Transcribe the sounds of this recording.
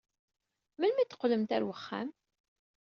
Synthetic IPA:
mænmæt̪ːə̥qːləmt̪æɾwəχːæ̰m

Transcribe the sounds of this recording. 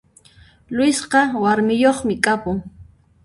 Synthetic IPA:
lʊwɪsqɑwaɾmɪjoχmɪkʼapʊŋ

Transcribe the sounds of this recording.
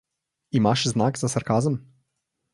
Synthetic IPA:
imaːʃznaːɡzasaɾkaːzəm

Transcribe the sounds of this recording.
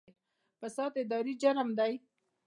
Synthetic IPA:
pəsɑt̪ɪd̪ɑɾid͡ʒaɾəmd̪aj

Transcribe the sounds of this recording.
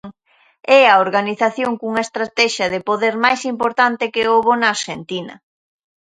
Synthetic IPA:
ŋ | ɛɐoɾɣaniθaθjoŋkuŋɐest̪ɾat̪ɛʃɐðɪpoðɛɾmajsimpoɾt̪ant̪ɪkɪoβonaːɾʃent̪inɐ̰

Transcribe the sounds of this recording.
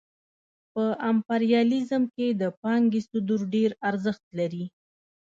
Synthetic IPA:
pəʔampaɾjɑlizəmked̪əpɑŋɡesʊd̪uɾɖeɾaɾzəxt̪laɾi

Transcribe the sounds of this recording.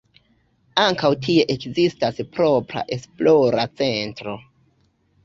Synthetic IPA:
aŋkawtʰie̞ʔekzistaspɾo̞pɾa̰ʔe̞splo̞ɾat͡se̞ntɾo̞

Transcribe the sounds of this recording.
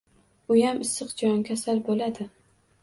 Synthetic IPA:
ʊjamʔɪsɨqd͡ʒɒnkʲʰasalbolad̪ɪ

